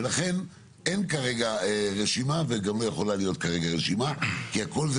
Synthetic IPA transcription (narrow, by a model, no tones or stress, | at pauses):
elaχe̞n | e̞nkaʁe̞ɡaʁeʃimaveɡamlo̞jeχo̞lalijo̞t̪̚kaʁe̞ɡaʁeʃimakiako̞lz